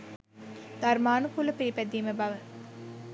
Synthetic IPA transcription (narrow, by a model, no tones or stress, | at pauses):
d̪̥ɐɾmaːnukulɐpiɾipːæd̪ːiːməbɐʋə